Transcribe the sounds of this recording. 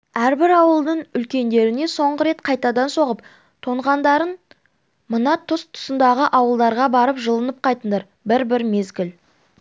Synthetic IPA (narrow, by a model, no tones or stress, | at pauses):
æɾbɪɾɑwəlˠd̪əɴʏlkʲe̞nd̪e̞ɾɪne̞so̞ɴʁəɾe̞t̪qʰɑjt̪ɑd̪ɑnso̞ʁəp̚ | t̪ʰo̞ɴʁɑnd̪ɑɾən | mənɑt̪ʰʊst̪ʰʊ̥sənd̪ɑʁəʔɑwəlˠd̪ɑɾʁɑbɑɾəpʒəlˠənəp̚qʰɑjt̪ənd̪ɑɾ | bɪɾbɪɾme̞zɡʲɪl